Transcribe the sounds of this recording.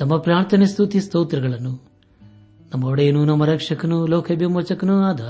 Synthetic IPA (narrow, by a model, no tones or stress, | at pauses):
nɐmːɐpɾaːɳt̪ʰɐnest̪ʰut̪ist̪oːt̪ɾɐɡɐɭɐnːu | nɐmːɐoɽɐjenunɐmːɐɾɐkʂɐkɐnulɔːkʰɐbʱimɐt͡ʃɐkɐnuaːd̪ɐ